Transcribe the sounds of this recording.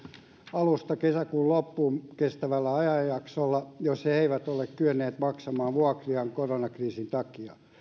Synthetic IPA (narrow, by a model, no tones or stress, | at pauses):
ɑlust̪ɑkesækuːllopːuːmkest̪æʋælːæɑjɑjjɑksolːɑjosheeiʋæt̪olːekkyønːeːt̪mɑksɑmɑːʋuɑkriɑŋkoronɑkriːsint̪ɑkiɑ̰